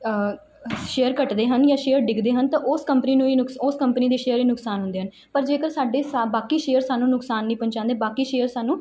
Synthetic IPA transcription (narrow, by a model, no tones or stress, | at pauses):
ʃeːəɾkəʈd̪eːɦənjaːʃeːəɾɖɪkd̪eːɦənt̪ãːʔoːskəmpəniːnũːiːnʊksoːskəmpəniːd̪eːʃeːəɾiːnʊksaːnɦʊ̃nd̪eːɦən | pəɾd͡ʒeːkəɾsaːɖeːsabaːkiːʃeːəɾsaːnːũːnʊksaːnːĩːpə̃ɲt͡ʃãːnd̪eːbaːkiːʃeːəɾsaːnːũː